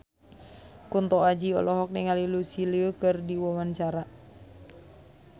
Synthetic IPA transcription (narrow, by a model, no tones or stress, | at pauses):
kunt̪ɔad͡ʒiɔ̰lɔɦɔk̚niŋalilusiliokərdiwɔwant͡ʃaɾa